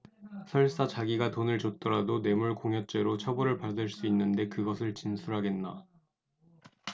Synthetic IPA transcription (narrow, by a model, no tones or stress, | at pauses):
sʰʌɭs͈at͡ɕaɡiɡatonɯɭt͡ɕot̚t͈ʌɾadone̞muɭkoŋɦjʌt͡ɕ͈e̞ɾot͡ɕʰʌbʌɾɯɭpadɯɭs͈uinːɯnde̞kɯɡʌsʰɯɭt͡ɕinsʰuɾɦaɡe̞nːa